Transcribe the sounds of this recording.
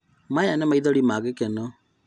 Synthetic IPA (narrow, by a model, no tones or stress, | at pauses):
majanɛmaiðɔɾimaɣekɛnɔ